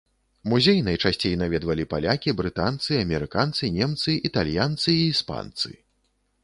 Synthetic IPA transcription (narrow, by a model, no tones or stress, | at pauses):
muzʲejnajt͡ʂasʲt͡sʲejnavʲɛd̪vɐlʲipalʲakʲibɾɨt̪ant̪sɨɐmʲɛɾɨkant̪sɨnʲɛmt̪sɨit̪alʲjant̪sɨiːspa̰nt̪sɨ̰